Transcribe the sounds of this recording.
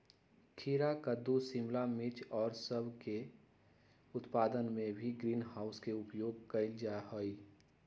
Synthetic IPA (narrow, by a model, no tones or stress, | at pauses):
kʰiːɾakəd̪usimlamit͡ʃɔːɾsəbʱke | ʊt̪paːd̪ənmẽbʱiɡɾiːnɦaːʊskeʊpjoːɡ̚kəɪld͡ʒaɦoi